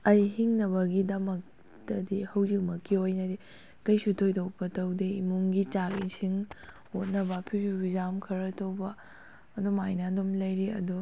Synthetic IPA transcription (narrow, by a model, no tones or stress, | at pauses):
ɐjhiŋnɐβɐɡidɐmɐk̚ | tɐdihɐwzik̚mɐkːiojnɐdi | kɐjsutʰojtɐwpɐtɐwdeimuŋɡit͡ʃakisʰiŋ | ot̚nɐbɐpʰisubizamkʰɐɾɐtʰɐwbɐː | domajnadomlɐjɾiɐ̰do